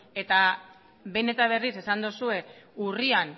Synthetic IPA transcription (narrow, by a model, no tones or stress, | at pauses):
e̞t̪a | βe̞ne̞t̪aβ̞e̞rise̞sand̪osue̞urian